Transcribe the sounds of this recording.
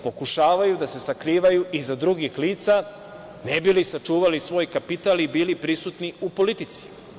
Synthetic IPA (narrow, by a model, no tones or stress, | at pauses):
po̞kuʃaːʋajud̪ase̞sakɾiːʋajuʔizad̪ɾuɡixliːt̪sa | nebilisat͡ʃuːʋalisʋo̞ːjkapit̪alibiːlipɾisut̪niupo̞lit̪it̪si̥